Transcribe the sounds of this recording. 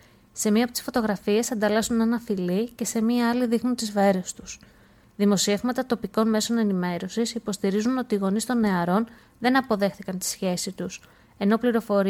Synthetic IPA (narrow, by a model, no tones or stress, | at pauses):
se̞miɐpot̪isfo̞t̪o̞ɣɾɐfie̞sɐnd̪ɐlɐsunenɐθilice̞se̞miɐɐliðixnunt̪izveɾest̪u̥s | ðimo̞sie̞vmɐt̪ɐt̪o̞piko̞nme̞so̞ne̞nime̞ɾo̞sisipo̞st̪iɾizuno̞t̪iːɣo̞nist̪o̞nːe̞ɐɾo̞n | ðe̞nɐpo̞ðe̞xθikɐnt̪i̥sçe̞sit̪us | e̞no̞pliɾo̞fo̞ɾ